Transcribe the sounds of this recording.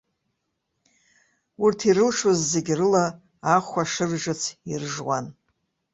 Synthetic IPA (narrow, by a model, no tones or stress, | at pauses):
urtʰiɾɨlʂozːe̞ɡʲrɨlaː | χʷaʂɨrʒɨt͡sʰirʐwa̰n